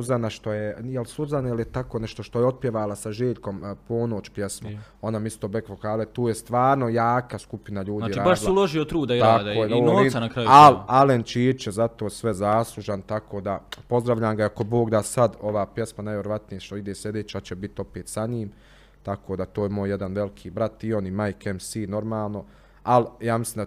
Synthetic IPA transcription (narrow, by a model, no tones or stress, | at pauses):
uzanaʃt̪o̞jejelsuzanjeljet̪akoneʃt̪o̞ʃt̪ojeo̞t̪̚pjeʋaːlasaʒeːʎko̞mpoːno̞ːt͡ɕpjesmoonamist̪oːbekfokaːlˠet̪uːjest̪ʋaːɾno̞jaːkaskupinaʎuːd̪iːɾaːbaʃlulˠoʒiot̪ɾuːd̪aiad̪oːjeɡonooɾiːmanakɾajalalent͡ʃiːɾt͡ʃjezat̪oːsʋɛzaːslˠuʒant̪akʰoːd̪apo̞zd̪ɾaʋʎaːmɡaiako̞bo̞ːɡd̪asad̪o̞ʋaːpje̞smanajʋʲjeɾoʋat̪nijeʃt̪oid̪esʎed̪eːt͡ɕaːt͡ɕebit̪o̞peːt̪saɲiːm | t̪akʰoːd̪at̪oːjemoːjjed̪anʋe̞likʰiːbɾat̪io̞nimajkemsiːno̞ɾmaːlˠno̞ | aljaːmisliːmd̪a